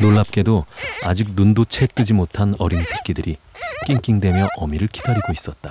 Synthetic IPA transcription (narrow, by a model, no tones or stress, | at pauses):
noɭːap̚k͈e̞doad͡ʑik̚nundot͡ɕʰek̚t͈ɯd͡ʑimotʰanʌɾinsʰek͈idɯɾik͈iŋk͈iŋdwe̞mjʌʔʌmiɾɯɭkʰi̥dʰʌɾiɡois͈ʌt̚t͈a